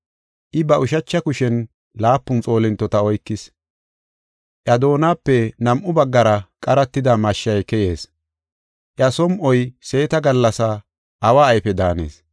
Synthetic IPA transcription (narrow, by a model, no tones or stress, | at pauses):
ʔɪbɐʔʊʃɐt͡ʃːɐkʊʃɛn | laːpːʊnt͡sʼo̞ːlɪnt̪ːɔt̪ɐɔjkːɪs | ʔɐd̪o̞ːnaːpːɛnɐmʔʊbɐɡːɐɾɐkʼɐɾɐt̪ːɪd̪ɐmɐʃːɐjkɛje̞ːs | ʔjɐsɔmʔɔjse̞ːt̪ɐɡɐlːɐsɐ | ʔːwaːjfɛd̪aːnḛːs